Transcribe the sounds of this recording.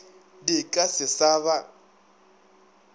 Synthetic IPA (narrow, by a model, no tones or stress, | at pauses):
dikʼasɪsaːβa